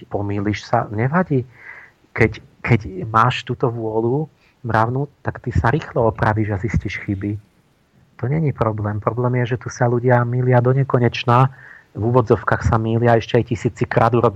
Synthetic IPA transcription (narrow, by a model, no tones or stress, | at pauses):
pɔmiːliʃsaɲɛʋaɟiː | kɛckʰɛcmaːʃt̪uːt̪ɔʋʊɔlu | mɾaʊnut̪akt̪isaɾiːxlɔɔpɾaʋiʒazisciʃxibi | t̪ɔɲɛɲipɾɔblɛːmpɾɔblɛːmjɛʒɛt̪usaluɟɪamiːlɪad̪ɔɲɛkɔɲɛt͡ʃnaːvuʋɔd͡zɔʊkaːxsamiːlɪaɛʃcɛajcisiːt͡sikɾa̰ːd̪uɾɔb